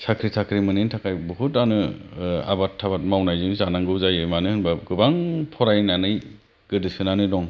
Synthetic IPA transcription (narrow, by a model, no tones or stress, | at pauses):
sakʰɾisʰakʰɾimɯnintʰakʰajbɯɦutanɯa̰batʰːabat̚mawnajzɯnzanaŋɡɯwzajɯmanɯhɯnbaɡɯbaŋpʰɔɾajnanɯj | ɡ̥ɯdɯsɯnanɯdɔŋ